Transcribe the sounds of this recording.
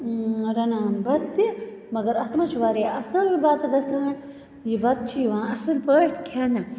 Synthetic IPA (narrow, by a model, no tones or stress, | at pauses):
ɾɐnaːnbɐt̪t̪i | mɐɡɐɾɐt̪mɐt͡ʃʰʋaːɾeɐsɨlbɐt̪d̪ɐsaːn | jibɐt̪̚t͡ʃʰiʋãːɐsɨlpəːʈ̪ʰkʰenɐ